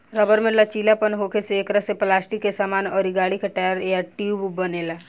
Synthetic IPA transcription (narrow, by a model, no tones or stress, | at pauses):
ɾəbəɾmelat͡ʃiːlapənɦoːkʰeseeːkɾəseplaːsʈikːesaːmaːnɔːɾiɡaːɽikeʈaːjəɾjaʈiububəneːla